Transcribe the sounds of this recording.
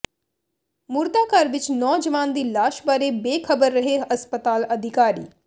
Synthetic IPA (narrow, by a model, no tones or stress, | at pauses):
mʊɾt̪aːkəɾʋɪt͡ʃnɔːd͡ʒəʋaːnd̪iːlaːʃbaːɾeːbeːkʰəbəɾːəɦeəspət̪aːləd̪ʱɪkaːɾḭː